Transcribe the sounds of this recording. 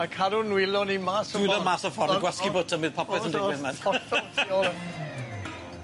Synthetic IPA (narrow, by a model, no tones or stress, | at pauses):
akʰaɾunwɪlɔnimaːsɔuðɔmaːsɔfɔrɡwɛskibʊtʰəmɨðpʰɔpʰɛsəndɪɪðmanɔttɔ